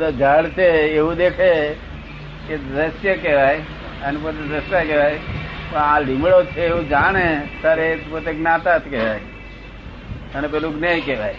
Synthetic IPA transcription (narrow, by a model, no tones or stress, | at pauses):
d̪əd͡ʒʱaɭt͡ʃʰeːʋũd̪ekʰe | ked̪ɾəsjəkeʋaj | ənepot̪ed̪əsakɛʋajpə̃ãlimɭot͡ʃʰeːʋũd͡ʒaɽ̃et̪aɾepot̪eɡnat̪at̪ʰkɛʋaj | ənepɛlũɡnajkeʋaj